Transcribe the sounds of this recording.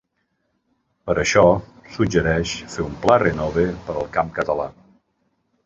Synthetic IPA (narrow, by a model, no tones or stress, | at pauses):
pəɾəʃɔsud͡ʒəɾɛʃfeumplarenɔβepəɾəlˠkamkət̪əla̰